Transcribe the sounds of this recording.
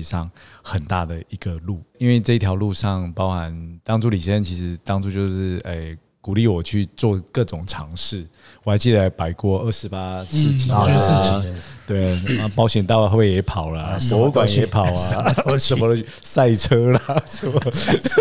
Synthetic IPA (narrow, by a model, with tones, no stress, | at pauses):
i˨ʂɑ˥˩ŋxə˨˩nt̪a̰˥˩d̪ə˩i˧˥ɡə˧lu˥˩i˥nwe˥˧ɪʈ͡ʂɤ˥˧i˥t̪ʰjɑ˧˥ʊlu˥˧ʂɑ˥˩ŋpɑ˥ʊxa˧˦nt̪ɑ˥ŋʈ͡ʂu˥˧li˨˩ɕjɛ˥˧˥nt͡ɕʰi˧˥ʂɻ̩˧˥t̪ɑ˥ŋʈ͡ʂu˥˧t͡ɕjo˥˧ʊʂɻ̩˥˩e˥˩ɪ | ku˨˩li˥˩wɔ˨˩t͡ɕʰy˥˧t͡swɔ˥˧kɤ˥˩ʈ͡ʂʊ˨˩ŋʈ͡ʂʰɑ˧˥ŋʂɻ̩˥˩ | wɔ˨˩a˧˥t͡ɕi˥˩a˧ɪpa˨˩ɪkwɔ˥˧ə˥˩ʂɻ̩˧˥pa˥˩˨ | t̪we˥˩ɪa˥˩pɑ˥ʊɕjɛ˨˩nt̪ɑ˥˩ʊ˧xo˥˧˩be˥˩jɛ˨˧˥pʰɑ˨˩ʊlə˦pwɔ˧˦u˥˧kwa˨˦njɛ˨˥pʰɑ˨˩˦ʊa˦ʂə˨˦mə˧ | sa˥˩ɪʈ͡ʂʰɤ˥la˨˧s